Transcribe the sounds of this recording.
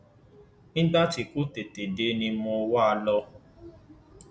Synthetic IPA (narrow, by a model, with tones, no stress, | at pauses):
nĩ˦da˦t͡ʃi˨ku˦te˨te˨de˨˦nĩ˧mo˧wa˦˧lɔ˧